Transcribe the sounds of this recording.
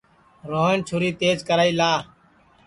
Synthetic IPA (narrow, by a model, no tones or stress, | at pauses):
ɾoːɦəɳt͡ʃʰʊːɾiːt̪eːd͡ʒkəɾaːiːlaː